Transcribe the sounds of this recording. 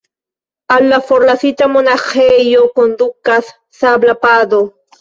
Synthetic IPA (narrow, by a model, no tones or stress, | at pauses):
alafoɾlasit̪amonaχejokond̪ukas | sablapad̪o